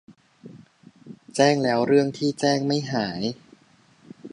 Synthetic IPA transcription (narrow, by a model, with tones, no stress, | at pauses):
t͡ɕɛː˥˩ŋlɛː˦˥wɾɯ˥˩əŋt̪ʰiː˥˩t͡ɕɛː˥˩ŋma˥˩jɦaː˩˦j